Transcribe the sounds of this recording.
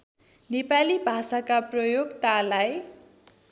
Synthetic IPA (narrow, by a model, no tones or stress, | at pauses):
nepalibʱasakaprʌjoɡt̪alaj